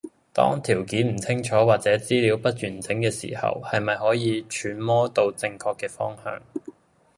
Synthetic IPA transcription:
t̪ɔ̰ː˥ŋt̪ʰiː˨˩wkiː˨˥nm̩˨˩t͡sʰɪ˥ŋt͡ʃʰɔː˨˥waː˨t̚t͡sɛː˨˥t͡siː˥liː˨˥wpɐ˥t̚t͡ʃyː˨˩nt͡sɪ˨˥ŋkɛː˧sḭ˨˩hɐ̰˨whɐ˨jmɐ˨jhɔː˨˥jiː˨˧t͡ʃʰyː˨˥nmɔː˥t̪o˧wt͡sɪ˧ŋkʰɔː˧kːɛː˧fɔː˥ŋhœ̰ː˧ŋ

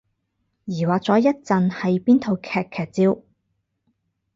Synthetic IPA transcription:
jiː˨˩waː˨k̚t͡sɔː˨˥jɐ˥t̚t͡sɐ˨nhɐ˨jpiː˥nt̪ʰo˨wkʰɛː˨˩kʰːɛː˨˩k̚t͡siː˧w

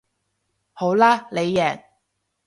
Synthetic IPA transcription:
ho˨˥wlaː˥le˨˧jːɛː˨˩ŋ

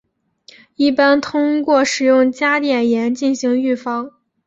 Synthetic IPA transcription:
i˥˩pa˥nt̪ʰʊ˥ŋkwɔ˥˩ʂɻ̩˨˩jʊ˥˩ŋt͡ɕja˥t̪jɛ˨˩njɛ˧˥nt͡ɕi˥˩nɕi˧˥ŋy˥˩fɑ˥ŋ

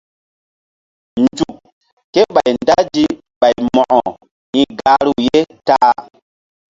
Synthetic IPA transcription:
nd͡ʒu˨kː | ke˦ɓa˨jnda˦d͡ʒi˦ | ɓa˨jmɔ̃˨ʔɔ˨ | ĩ˨ɡa˦ɾu˨je˦taː˦

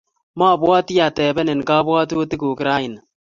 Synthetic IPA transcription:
ma˦˨bwɔ˦ti˦a˨tɛ˨bɛ˦ne˨nkaː˦bwɔː˦tu˦ti˦ku˨kɪ˨ɾa˦ɪ˨na˨

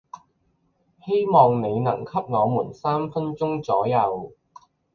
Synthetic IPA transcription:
he˥jmɔː˨ŋne˨˧jnɐ˨˩ŋkʰɐ˥p̚ŋɔː˨˧muː˨˩nsaː˥mfɐ˥nt͡sʊ˥ŋt͡sɔː˨˥jɐ˨˧w

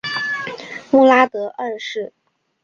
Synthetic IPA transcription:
mu˥˩la˥t̪ɤ˧˥ʔə˥˧ʂɻ̩˥˩

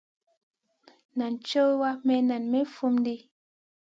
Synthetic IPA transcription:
na˨nt͡ʃo˦wa˦mɛ˦na˨nme˦fu˦m˦di˦

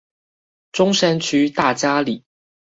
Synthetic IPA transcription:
ʈ͡ʂʊ˥ŋʂa˥nt͡ɕʰy˥t̪a˥˩t͡ɕja˥li˨˩˦

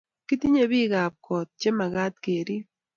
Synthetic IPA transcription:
ki˦ti˦ɲe˦βi˦ɣa˨p̚kʰɔ˨t̪̚t͡ʃe˦ma˨ɣa˦t̚ke˨ɾi˦

